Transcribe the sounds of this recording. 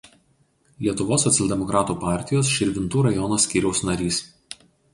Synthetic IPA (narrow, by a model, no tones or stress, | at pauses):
lʲiɛt̪ʊʋoːsːɔt̪sʲɛlʲd̪ʲɛmɔkɾɑːt̪uːpɑˑɾʲt̪ʲɪjoːsʃʲɪɾʲʋʲɪnt̪uːɾɐjɔnosʲkʲiːɾʲɛʊsnɐɾʲiːs